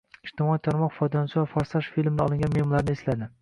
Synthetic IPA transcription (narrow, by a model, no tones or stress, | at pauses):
ɪʃt̪ʰɪmɒit̪ʰaɾmɒqfɒjd̪ɒnsɪvafɒɾsaʃfilmd̪ɪɒlˠɪŋʲanmehmɒlaɾnɪeslad̪ɪ